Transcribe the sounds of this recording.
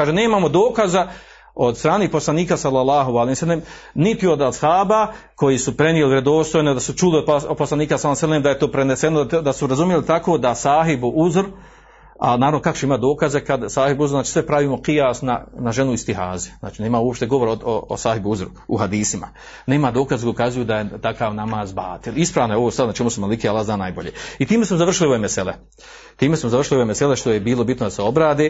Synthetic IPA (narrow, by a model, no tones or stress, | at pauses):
kaːʒeneːmaːmo̞d̪o̞ːkaza | o̞d̪st̪ɾaːneːpo̞slˠaniːkasalːalˠːɑːɦoalehimsalːemnit̪io̞d̪ashaːbako̞jiːsupɾe̞nijelivɾed̪o̞ːst̪o̞jned̪asut͡ʃuliod̪̚pposlaniːkasalːsaleːmd̪aje̞t̪oːpɾenesenod̪asuɾazumijelit̪akoːd̪asaːɦibuʔuzɾ | a̰naːɾaʋnokakot͡ʃeimat̪d̪o̞ːkazekad̪saːhibuzɾznaːt͡ʃi̥sʋepɾaʋiːmo̞qijaːsna̰naʒe̞nuist̪iɦaːzezna̰ːt͡ʃineːmauopʃt̪e̞ɡo̞ʋo̞ɾooo̰saːhibuuzɾu | ṵhad̪iːsima̰ | neːmad̪o̞ːkazkukazujud̪ajet̪akaːʋnamaːzbaːt̪ilispɾaːʋnojoost̪aɾnat͡ʃemusemalikealːaːhznaːnaːjbo̞̰ʎeːit̪iːme̞smozar̩ʃiliuemesele | t̪iːmesmozaʋr̩ʂiliuemeseleʃt̪ojebiːlo̞bit̪nod̪aseo̞bɾaːd̪eː